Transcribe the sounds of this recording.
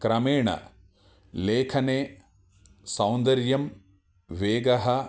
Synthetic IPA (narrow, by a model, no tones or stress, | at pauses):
kɾɐmeːɳɐ̰ | leːkʰɐneː | sɐ̃wnd̪ɐɾjɐm | ʋeːɡɐɦɐ